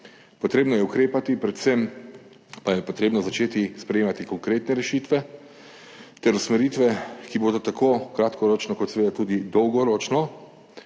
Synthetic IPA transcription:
pɔt̪ɾeːbnɔjɛukɾeːpat̪ipɾɛt̪sem | pajɛpot̪ɾeːbnɔzat͡ʃeːt̪ispɾɛjeːmat̪ikɔŋkɾeːt̪nɛɾɛʃiːt̪ʋɛ | t̪ɛɾusmɛɾiːt̪ʋɛkiboːd̪ɔt̪akokɾat̪kɔɾoːt͡ʃnɔkɔt̪seʋeːd̪at̪ud̪id̪ɔwɡɔɾɔːt͡ʃnɔ

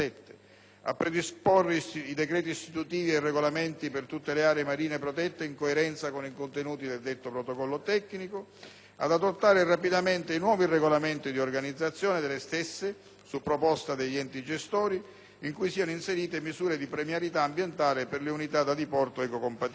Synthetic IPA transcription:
ɛt̪ːe̥ | a̰pːɾed̪isporːeid̪ɛkɾɛːt̪̬iist̪it̪ut̪iːvierːeɡolament̪ipert̪ut̪ːeleaːɾeemaɾiːnepɾot̪ɛt̪ːeiŋkoeɾɛnt̪sakonikont̪enuːt̪id̪eld̪et̪ːopɾot̪okɔlːot̪ɛkːniko | a̰d̪ad̪ot̪ːaːɾerapid̪ament̪einwɔːvireɡolament̪id̪iorɡanid̪zːat̪sːjɔːned̪elːest̪ɛsːe | supːɾopɔst̪ad̪eʎːɛnt̪id͡ʒest̪oːɾi | iŋkujsiːanoinseɾiːt̪emizuːɾed̪ipɾemjaɾit̪aːmbjent̪aːleperleunit̪ad̪ad̪ipɔrt̪oɛkokompat̪

